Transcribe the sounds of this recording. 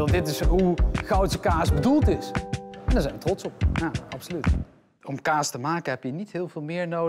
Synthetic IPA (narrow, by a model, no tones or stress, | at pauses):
dɪtɪsɦuχɑwtsəkaːsbədulˠtɪsɛndaːɹzɛjnʋətrɔtsɔp̚jaɑpsolyt | ɔmkaːstəmaːkəɦɛpjənitɦɪːlˠvɪːlˠmɪːɹnow